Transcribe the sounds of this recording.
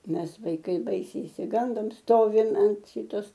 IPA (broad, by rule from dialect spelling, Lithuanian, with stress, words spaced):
ˈmʲɛs ʋɐɪˈkɐɪ ˈbɐɪsʲɛɪ ɪʃʲsʲɪˈɡɐndoːm ˈstoːʋʲɪm ɐnt ˈʃʲɪtoːs